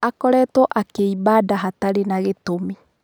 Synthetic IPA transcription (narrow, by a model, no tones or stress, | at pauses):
akɔɾɛtɔʔakeibadaɦataɾenaɣetomi